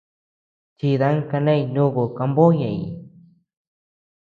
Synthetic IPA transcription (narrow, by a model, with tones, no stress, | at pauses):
t͡ʃi˨ða˦ŋka˧na˦jno˦ɣo˨ka˧mbo˦ja̰˨j